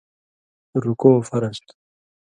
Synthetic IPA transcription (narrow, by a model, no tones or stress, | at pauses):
ɾukofaɾast